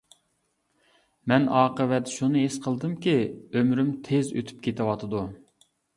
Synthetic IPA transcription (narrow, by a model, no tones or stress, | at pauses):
mɛnɑːqəvɛt̪ʃunɨɦesqʰəlˠd̪ɨmkʲiømɾymt̪ʰezøt̪ʰy̥p̚kʲʰet̪ʰɪwɑt̪ʰɨd̪u